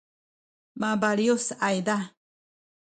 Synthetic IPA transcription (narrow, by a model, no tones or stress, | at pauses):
mabaliosajd̪a